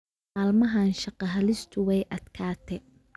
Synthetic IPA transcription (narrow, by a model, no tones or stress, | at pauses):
aːlmɐɦaːnʃɑqɑɦɐlɪst̪ʰʊwɛjʔɐd̪̥kʰaːt̪ʰɛ